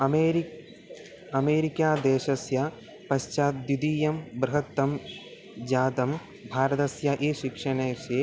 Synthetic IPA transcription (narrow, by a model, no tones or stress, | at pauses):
eːɾ | ɐmeːɾikjaːd̪eːʃɐsjɐ | pɐʃt͡ʃaːt̪jud̪iːjɐmbɾɐɦɐt̪ːɐm | d͡ʒaːd̪ɐm | bʱaːɾɐt̪ɐsjɐʔeːʃikʂɐɳeːʃeː